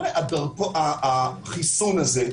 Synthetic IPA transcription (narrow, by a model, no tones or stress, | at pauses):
leʔadaʁkoʔaχisunaze